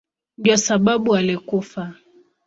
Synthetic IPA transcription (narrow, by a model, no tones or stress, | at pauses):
diasaɓaɓualikufa